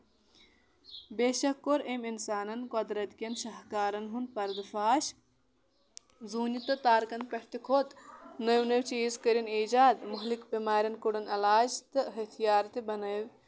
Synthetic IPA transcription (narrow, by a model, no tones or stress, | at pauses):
beːʃɐkːoɾeminsaːnɐnkod̪ɾɐt̪kʲɐnʃɐɦkaːɾɐnɦunpɐɾd̪faːʃ | zuːnit̪ɐt̪aːɾkɐnpɐʈt̪ikʰot̪nɐwnɐwt͡ʃiːzkəɾiniːd͡ʒaːd̪muɦlikbimaːɾʲɐnkuɽɐnɐlaːd͡ʒt̪ɨɦɐt̪ʰijaːɾt̪ibɐnɐw